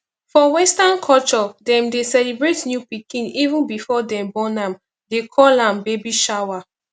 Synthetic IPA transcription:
fɔwɛ̃stãnkʰɔt͡ʃɔdɛ̃mdesɛlibɹetnjupikĩnivũnbifɔdɛ̃mbɔ̃nãm | dekʰɔlãmbebiʃawa

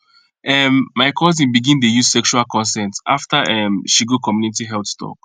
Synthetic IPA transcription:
ɛmːaɪkʰɔzĩnbiɡĩndejuz̥sɛkʃualkʰɔ̃nsɛ̃nta̰ftaʔɛmʃiɡokʰɔmjunitiɦɛltstʰɔ̰k̚

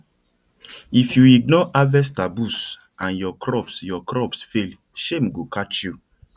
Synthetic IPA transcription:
ifjuiɡ̚nɔʔavɛstabus | ʔãnjɔkʰɾɔpsjɔkɾɔpsfel | ʃemɡukat͡ʃju

